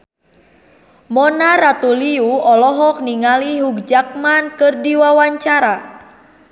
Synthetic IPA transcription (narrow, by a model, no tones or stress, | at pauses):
mɔnarat̪uliuɔlɔɦɔk̚niŋaliɦuk̚d͡ʒak̚mankərdiwawaɲt͡ʃaɾa